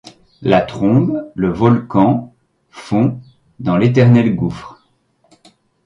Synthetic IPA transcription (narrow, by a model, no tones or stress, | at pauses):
lat̪χɔ̃bləvɔlkɑ̃ | fɔ̃ | d̪ɑ̃let̪̬ɛʁnɛlɡufχ